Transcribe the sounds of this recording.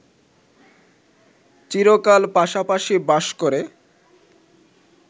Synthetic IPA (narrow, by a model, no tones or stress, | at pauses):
t͡ɕiɾokalpaʃapaʃibaʃkoɾe